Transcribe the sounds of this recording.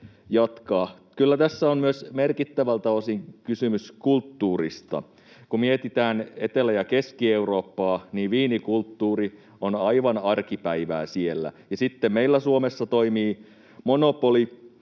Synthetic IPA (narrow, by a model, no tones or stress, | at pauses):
jɑt̪kɑː | kylːæt̪æsːæommyøsmerkit̪ːæʋælt̪ɑosiŋkysymyskult̪ːuːrist̪ɑ̰ | kumieet̪it̪æːnet̪elæjɑkeskieuroːpːɑːniːʋiːnikult̪ːuːri | onɑiʋɑnɑrkipæiʋæ̰ːsielːæ̰jɑsit̪ːemmeilːæsuomesːɑt̪oimiː | monopoli